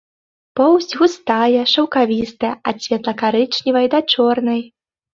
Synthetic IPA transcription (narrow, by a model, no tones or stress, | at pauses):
pɔwsʲɣust̪ajɛʂɐwkavʲist̪ɐjasʲvʲɛt̪lˠɐkaɾɨt͡ʂnʲivɐjd̪at͡ʂɔrnɐj